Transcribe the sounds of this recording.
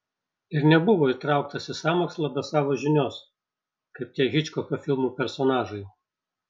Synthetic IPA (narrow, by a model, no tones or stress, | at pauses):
ɪɾnʲɛbʊʋoːit̪ɾɑˑʊkt̪ɐsʲɪsɑːmoːkslˠɐbʲɛsɑːʋoːʒʲɪnʲoːs | kɐɪp̚t̪ʲiɛɣʲɪt͡ʃʲkoːkʲoːfʲɪlˠmuːpʲɛɾsɔnɑːʒɐɪ